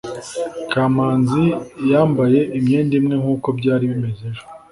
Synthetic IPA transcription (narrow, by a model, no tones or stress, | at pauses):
kʰaːmaːnzijaːmbaje̞ʔimɲe̞ːndimŋe̞ŋuːko̞bɟaːɾiβimezeʒo